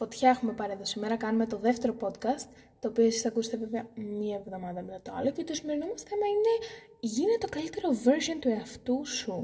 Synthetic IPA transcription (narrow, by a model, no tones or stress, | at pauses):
fo̞t̪çɐexume̞pɐɾie̞ðo̞simeɾɐkɐnume̞t̪o̞ðe̞ft̪eɾo̞po̞t̪kɐst̪ːo̞ːpioesisɐkuse̥t̪eve̞veɐmɲiɐevðo̞mɐðɐmiɐt̪oɐ̰locet̪osime̞ɾinomɐsemɐine̞ | ʝinet̪eokɐlit̪e̞ɾo̞veɾzo̞nt̪ueɐft̪usu